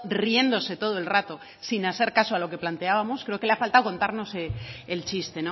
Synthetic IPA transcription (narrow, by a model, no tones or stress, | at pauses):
rie̞nd̪o̞se̞t̪o̞ð̞oe̞lrat̪o̞ | sinaθe̞ɾkasoalo̞ke̞plant̪e̞aβamoskɾe̞okeleafalt̪awko̞nt̪aɾno̞seelt͡ʃist̪e̞no